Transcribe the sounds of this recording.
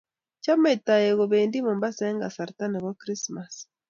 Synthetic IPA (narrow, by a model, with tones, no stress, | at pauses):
t͡ʃa˦me˨ta˨je˨ɣɔ˨βeː˨ndi˦mo˨mba˦sɛ˦ŋɡa˨sa˨ɾta˦nɛ˨ɣwa˦kɾi˦sma˨s